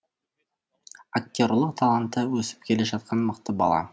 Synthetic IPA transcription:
ak̚t̪ʲoɾlˠəqt̪ʰɑlˠant̪ːəwɵsɪ̥p̚kʲʰe̞le̞ʒɑt̪̚qʰɑnməqt̪əbɑ̰lˠɑ̰

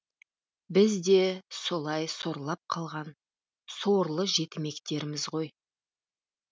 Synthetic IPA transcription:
bɪzd̪e̞so̞lˠɑjso̞ɾlˠɑp̚qʰɑlˠʁɑn | so̞ɾlˠəʒe̞t̪ɪme̞kt̪e̞ɾɪmɪzʁo̞j

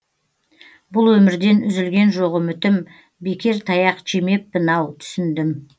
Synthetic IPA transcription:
bʊlˠwɵmɪɾd̪e̞nʏzɪlɡʲe̞nʒo̞ʁəmʏt̪ɪm | be̞kʲe̞ɾt̪ʰɑjɑqʒeme̞p̚bɪnɑwt̪ʰʏ̥sɪnd̪ɪm

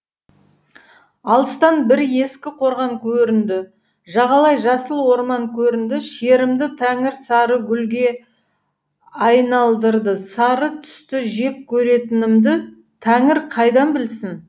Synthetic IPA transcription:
ɑlˠəst̪ɑnbɪɾje̞skʲɪqʰo̞ɾʁɑŋkʲʰɵɾɪnd̪ɪ | ʒɑʁɑlˠɑjʒɑsəlˠwo̞ɾmɑŋkʲʰɵɾɪnd̪ɪʃeɾɪmd̪ɪt̪ʰæŋɪɾsɑɾəɡʲʏlɡʲe̞ | ɑjnɑlˠd̪əɾd̪əsɑɾət̪ʰʏ̥st̪ɪʒe̞kʲkʲʰːɵɾe̞t̪ɪnɪmd̪ɪ | t̪ʰæŋɪɾqʰɑjd̪ɑnbɪlsɪn

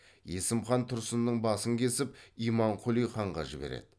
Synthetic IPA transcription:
je̞sɪmχɑnt̪ʰʊɾsənd̪əɴbɑsəŋkʲʰe̞sɪpijmɑɴqʰʊlˠijχɑɴʁɑ̰ʒɪbḛɾḛd̪̥ɪ

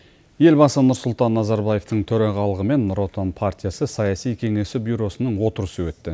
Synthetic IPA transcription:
je̞lbɑsənʊɾsʊlˠt̪ɑnːɑzɑɾbaje̞ft̪əɴt̪ʰɵɾɑʁɑlˠəʁəme̞nɾo̞t̪onpʰart̪ʲijasəsɑjasijkʲʰe̞ŋe̞sɪbʲjuɾo̞sənəɴwo̞t̪əɾəsəwɵt̪ːɪ

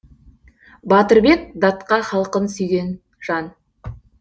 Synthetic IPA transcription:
bɑt̪əɾbe̞k̚d̪ɑt̪qɑχɑlˠqənsʏjɡʲe̞n | ʒ̥ɑn

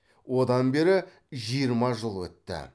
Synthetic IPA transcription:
wo̞d̪ɑnbe̞ɾɪ | ʒijəɾmɑʒəlˠwɵ̰t̪ːɪ̰

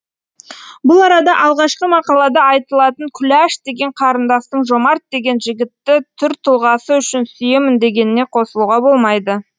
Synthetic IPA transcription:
bʊlˠɑɾɑd̪ɑʔɑlˠʁɑʃqəmɑqɑlˠɑd̪ɑɑjt̪əlˠɑt̪əɴkʲʰʏlæʃd̪e̞ɡʲe̞ɴqʰɑɾənd̪ɑst̪əɴʒo̞mɑɾt̪̚d̪e̞ɡʲe̞nʒɪɡʲɪt̪ːɪt̪ʰʏɾt̪ʰʊlˠʁɑsəʏʃɪnsʏjemɪnd̪e̞ɡʲe̞nɪne̞qʰo̞səlˠuʁɑbo̞lˠmɑjd̪ə

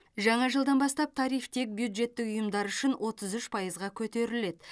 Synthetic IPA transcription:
ʒɑɴɑʒəlˠd̪ɑnbɑst̪ɑp̚t̪ʰɑɾijft̪ʰe̞k̚bjud̪ʒe̞t̪ːɪkʊjəmd̪ɑɾʏʃɪnwʔo̞t̪əzʏʃpʰɑjəzʁɑkʲʰɵt̪e̞ɾɪle̞d̪

